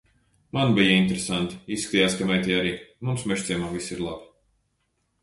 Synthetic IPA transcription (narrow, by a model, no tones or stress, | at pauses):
manbijaint̪eɾesant̪i̥isːkat̪ʲiːjaːskamɛjt̪ʲijaɾiːmumsmɛʃt̪sʲɛjmaːvisiɾlˠab